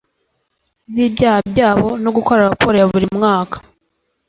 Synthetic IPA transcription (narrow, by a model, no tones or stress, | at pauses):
zibɟaːhab̚jaːβo̞no̞ɡuko̞ɾaɾapoɾejaβuɾimŋaːkḁ